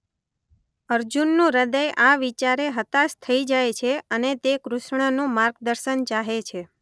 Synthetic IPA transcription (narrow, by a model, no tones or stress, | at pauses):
əɾd͡ʒunːũɾəd̪əjʔaʋit͡ʃaɾeɦət̪ast̪ʰəid͡ʒajt͡ʃʰeənet̪ekɾuʃɳ̃ənũmaɾɡd̪əɾʃənt͡ʃaɦet͡ʃʰe